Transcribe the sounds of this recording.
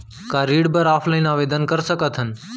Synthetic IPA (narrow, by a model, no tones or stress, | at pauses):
kaɾiːɽbəɾaːpʰlaɪnaːʋeːd̪ənkəɾsəkət̪ʰɦən̆